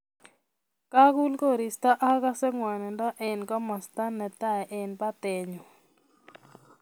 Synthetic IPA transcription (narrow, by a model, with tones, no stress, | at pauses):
ka˦ɡu˦lko˦˨ɾi˨st̪a˦ʔa˦ka˦sɛ˦ŋwɛ˨nɛ˨nda˦ʔe˨nkɔ˦ma˨st̪a˦nɛ˨t̪a˦˨ɛ˨ʔe˨npa˦t̪e˨ɲo˨